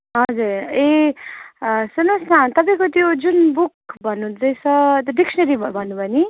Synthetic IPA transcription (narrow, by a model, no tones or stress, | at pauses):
ɦʌd͡zuɾe | sʌnostʰat̪ʌpaj̃kot̪jod͡zunbuk̚bʱʌnːud͡zʌj̃sʌt̪ɖiksʌnʌɾibʌbʱʌnːubʌni